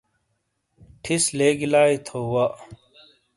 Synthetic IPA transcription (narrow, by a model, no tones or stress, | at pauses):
ʈʰisleːɡilaːit̪ʰoːwɐʔ